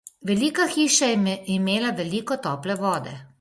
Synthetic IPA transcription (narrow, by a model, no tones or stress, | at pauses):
ʋɛliːkaxiːʃaimeːlaʋɛliːkɔt̪ɔːplɛʋɔːd̪ɛ̰